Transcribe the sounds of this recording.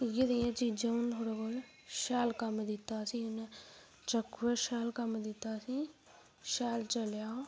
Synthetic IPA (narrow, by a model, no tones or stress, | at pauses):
ɡed̪ejãt͡ʃiːd͡ʒant̪ʰoːɽakol | ʃaːlkəmd̪ɪt̪aːsiʊne | t͡ʃəkeʃaːlkəmd̪ɪt̪aːsiː | ʃaːlt͡ʃəljaː